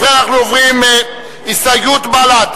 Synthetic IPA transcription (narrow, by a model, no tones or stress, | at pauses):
ʁeanaχnuovʁĩme | isajut̪balat̪